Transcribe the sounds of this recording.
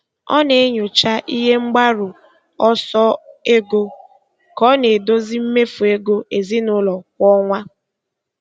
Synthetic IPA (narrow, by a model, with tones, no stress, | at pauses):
ɔ̰˦ne˨e˦ɲo˨t͡ʃa˦ʔi˦ɦe˦ŋ͡m̩˦ɡ͡ba˦ɾʊ˨ | ɔ˦sɔ˦e˦ɡo˦ | kɔ˨˦ne˨do˦zi˦m̩˦me˦fu˨e˦ɡo˦e˨zi˦nʊ˦lɔ˨kʷɔ˦ŋʷa˦